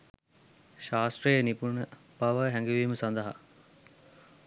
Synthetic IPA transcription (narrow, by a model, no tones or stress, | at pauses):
ʃaːsʈ̪rəjenipunə | baʋəɦɛŋɡiʋiːməsand̪ɐɦa̰